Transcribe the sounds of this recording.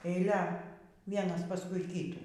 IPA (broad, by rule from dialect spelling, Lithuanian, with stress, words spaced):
ɛɪˈlʲɛ ˈʋʲiɛnɐs pɐˈskʊɪ ˈkʲiːtuː